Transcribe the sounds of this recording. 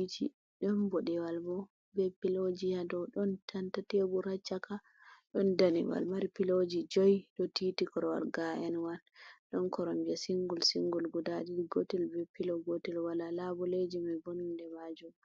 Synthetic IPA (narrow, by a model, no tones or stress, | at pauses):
itḭ | ɗɔnbɔɗɛwalbɔ | bɛpːilod͡ʒijadɔɗɔntʰantatebuɾat͡ʃːaka | ɗɔndanḭwa̰lmaɾipilod͡ʒid͡ʒojɗɔtitikɔɾɔwa̰lɡaʔɛnwalɗɔnkɔɾɔmbasiŋɡulsiŋɡulɡudadiɾiɡotilbɛpːilɔɡotilwalalabɔled͡ʒimabonundɛmad͡ʒum